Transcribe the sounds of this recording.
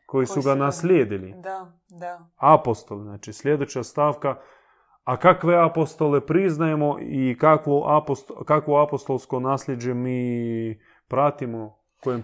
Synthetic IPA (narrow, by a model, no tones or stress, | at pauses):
ko̞jisuɡanaslʲeːd̪ili | apo̞st̪o̞leznaːt͡ʃislʲed̪ot͡ɕast̪aːʋkaː | kakʋe̞apo̞st̪ole̞pɾiznajemo̞ʔikakʋoʔapost̪kakʋoapost̪o̞lˠsko̞naːslʲed͡ʑe̞miː | pɾat̪imo̞ | kojem